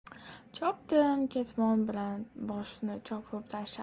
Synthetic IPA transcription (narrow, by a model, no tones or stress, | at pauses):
t͡ʃʰɒp̚d̪ɪmkʲe̞t̪mɒnbɪlanbɒʃnɪt͡ʃʰɒpʰɪpt̪ʰaʃa